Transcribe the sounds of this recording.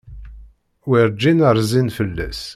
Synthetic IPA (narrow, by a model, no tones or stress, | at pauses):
wiɾd͡ʒːinəɾˤzinfəlːæ̰s